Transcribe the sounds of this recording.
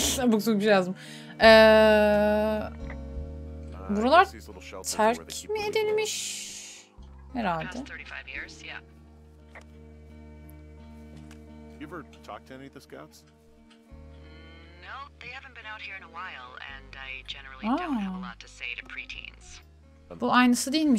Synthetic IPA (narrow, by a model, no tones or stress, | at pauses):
buksukbiʃejazd̪ɯm | ɛː | buɾalˠaɾɾl̩ˠt̪ʰæɾkʰmied̪ilʲmiʃ | hɛɾalʲd̪ɛθɜ˞ɾifaɪvjɪɹz̥jæ̰ | ʉvə˞tʰɔ̰k̚tʰniðɪsɡ̥ã̰ʊ̃ns | noʊðeɪhæṽn̩b̥ɨ̃naʊt̚hiɹɨ̃nəwaɪlˠɨ̰̃naɪd͡ʒɛnə˞l̩ˠialtʰɨseɪɾɨpʰɹ̥itʰḭ̃nz̥ | b̥uajnɯsɯd̪ijilʲmi